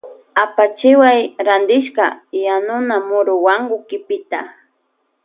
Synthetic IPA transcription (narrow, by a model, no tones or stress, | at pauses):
apat͡ʃɪwajɾand̪ɪʃkajanʊnamʊɾʊwaŋɡʊkɪpɪt̪a